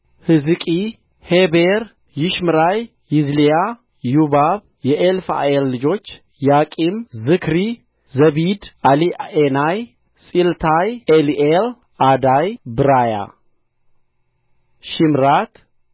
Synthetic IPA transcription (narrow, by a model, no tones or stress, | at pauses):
hɨzɨkʼi | hebeɾ | jɪʃmɨɾaj | jɪzlija | jubaβ | jɛʔelfa̰elːɨd͡ʒo̞t͡ʃː | jakʼimzɨkʰɾi | zəβid̪alienaj | sʼilt̪ʰajeliʔel | ad̪ajbɨɾaja̰ | ʃimɾat̪